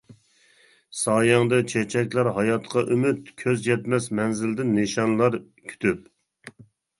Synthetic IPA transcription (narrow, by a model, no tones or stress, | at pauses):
sɑːjɑŋd̪ɨt͡ʃʰet͡ʃʰɛkʲlæɾɦɑjɑt̪qʰɑʔymyt̪kʲʰøzjɛt̪mɛsmɛnzɪld̪ɪnːeʃɑnlˠɑɾ | kʲʰy̥t̪ʰyp